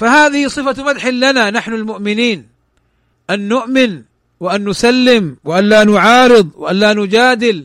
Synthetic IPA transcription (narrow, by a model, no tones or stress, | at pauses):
fahaːðɪhɪsˤɨfamad̪ħɪlːananaħnʊlmʊʔmɪniːn | ʔanːʊʔmɪn | wɪʔanːʊsalːɪmwɪʔallaːnʊʕɑːɾɨðˤwɪʔallaːnʊd͡ʒaːd̪ɪl